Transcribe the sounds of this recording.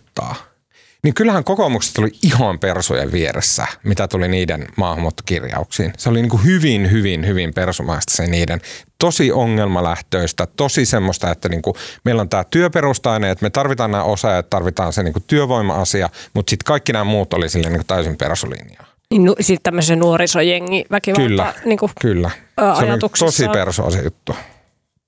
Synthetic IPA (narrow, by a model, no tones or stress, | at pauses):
t̪ːɑ̰ː | niŋkylhæŋkokomukse̥t̪oliihɑmpersṵjḛʋʋiḛɾḛsːæ̰mit̪æt̪uliniːdenmɑːhɑmuːt̪ːɑ̥kirjɑ̰uksḭːnseoliniːŋkuhyʋinhyʋinhyʋimpersumɑ̰ist̪ɑ̥seniːdent̪osiʔoŋːelmɑlæht̪øːst̪æt̪osisemːost̪ɑet̪ːæniːŋkumeilont̪æːt̪yøperust̪ɑineet̪met̪ɑrʋit̪ɑːnnæːʔosɑjɑɑt̪t̪ːɑrʋit̪ɑːnseniːŋkut̪yøʋoimɑ̰ɑsiɑmut̪sit̪kɑikːinæːmuːt̪olisilːeniːŋku̥t̪æysimpḛrsulḭnḭj̰ɑ | ninusit̪t̪æmːəsenuorisojeŋːiʋækiʋkylːæniːŋkukylːæsɑeojliit̪ukst̪osiperso̰ɑ̰sḛjut̪ːu